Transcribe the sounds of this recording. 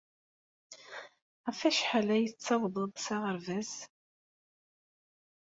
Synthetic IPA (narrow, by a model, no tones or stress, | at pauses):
ʁfæʃħalæjət͡sːɑwðˤəðˤsɑʁəɾvæz